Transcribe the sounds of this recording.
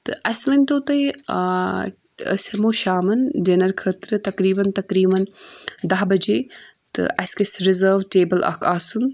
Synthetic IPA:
t̪ɨʔɐslɐnʲt̪oːt̪ɐj | ə̰sʲemoːʃaːmɐndenɐɾkʰət̪ɾɨt̪ɐkɾiːbɐnt̪ɐkɾiːbɐnd̪ɐɦbɐd͡ʒeː | t̪ɨ̰ʔɐsʲkɐsɾɪzəːɾʋʈeːbɐlʔɐ̰kʰaːsun

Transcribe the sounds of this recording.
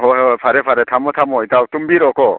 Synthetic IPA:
ɦɔpʰaɾepʰaɾetʰamɔtʰamɔjtawtumbiɾɔkɔ

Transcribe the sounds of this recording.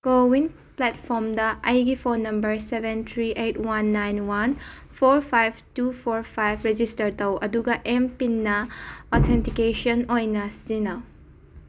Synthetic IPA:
kowin | plɛt̚pʰɔɾmdɐɐjɡipʰonɐmbɐɾsebentʰɾiʔetwanːajnwan | pʰoɾpʰajb̚tupʰoɾpʰajbʰɾed͡ʒistɐɾtɐwʔɐ̰duɡɐʔempinːɐot̪ʰentikeʃɔnojnɐsinɐ

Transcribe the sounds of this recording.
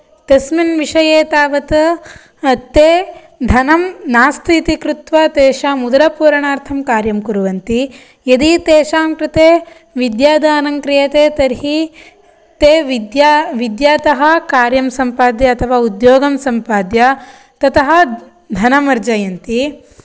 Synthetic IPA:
t̪ɐsminʋiʂɐjeːt̪aːʋɐt̪ɐ | ɐt̪ːeː | d̪ʱɐnɐmnaːst̪ʰit̪ikɾut̪ʋɐt̪eːʃaːmud̪ɐɾɐpuːɾɐɳaːɾt̪ʰɐmkaːɾjɐmkuɾuʋɐnt̪i | jɐd̪it̪eːʃaːmkɾɪt̪eː | ʋid̪jaːd̪ɐɐnɐŋkɾijɐt̪eːt̪ɐɾɦi | t̪eːʋid̪jaʋid̪jaːt̪ɐɦɐkaːɾjɐmsɐmpaːd̪jɐɐːt̪ʰɐʋaːud̪joːɡɐmsɐmpaːd̪jɐ | t̪ɐt̪ɐɦɐ̆ | d̪ʱɐnɐmɐɾd͡ʒajɐnt̪i

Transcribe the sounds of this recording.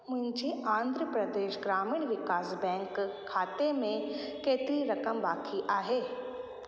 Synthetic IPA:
mʊ̃ɦɪ̃ɲd͡ʒiãːnd̪ʱɾəpɾɐd̪eːʃɡɾaːmiːɽ̃ʋɪkaːsbɛ̃ːŋkʰː | aːt̪emẽ | keːt̪ɪɾiɾɐkəmbaːkʰiʔaːɦeː

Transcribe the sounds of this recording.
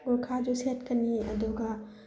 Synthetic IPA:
okʰad͡ʒoset̪kɐniɐ̰d̪oːɡa

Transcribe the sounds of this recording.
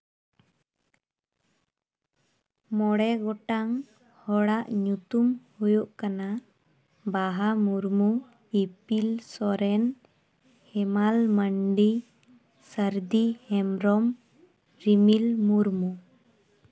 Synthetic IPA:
mɔɽɛɡɔʈaŋ | hɔɽaʔɲut̪umhujuʔkana | baɦamuɾmu | ipilsɔɾɛn | hɛmalməɳɖi | səɾd̪ihɛmɾɔm | ɾimilmuɾmu

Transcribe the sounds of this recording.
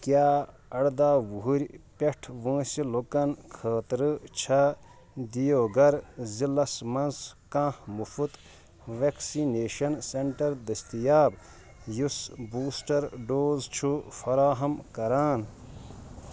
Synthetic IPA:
kjaː | ɐɽd̪aːʋuɦuɾʲpeʈʰʋõːsilokɐnkʰəːt̪ɾɨt͡ʃʰɐ | d̪ijoːɡɐɾzilɐsmɐnskãːhmufʰut̪ | ʋeksineːʃɐnseɳʈɐɾd̪ɐst̪ijaːb | jusbuːsʈɐɾɖoːzt͡ʃʰufɐɾaːɦɐmkɐɾaːn

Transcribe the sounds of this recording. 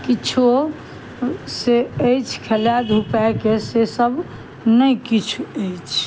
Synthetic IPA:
kit͡ʃʰu | seəjt͡ʃʰkʰeljad̪ʱupakesesəb | nəikit͡ʃʰuəjt͡ʃʰ

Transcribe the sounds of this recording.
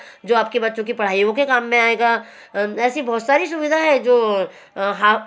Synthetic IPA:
d͡ʒoːaːp̚kebɐtːʃõk̬ipɐɽ̤aːiõkekaːmːẽaːeːɡaː | ɛːsibɔːt̪saːɾisʊʋɪd̪ʱaɦɛd͡ʒoː | ɦaː

